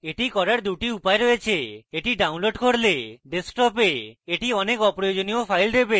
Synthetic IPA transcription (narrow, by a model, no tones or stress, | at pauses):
eʈikɔɾaɾd̪uʈiupaeɾoet͡ʃʰeeʈiɖawnloɖkoɽleɖesk̚ʈɔpeeʈiɔnekɔpɾɔjod͡ʒoniopʰajld̪ebe